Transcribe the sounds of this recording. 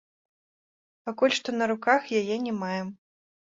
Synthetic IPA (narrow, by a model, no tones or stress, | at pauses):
pakulʲʂt̪ɔnɐɾukaxjajɛnʲɛmajɛm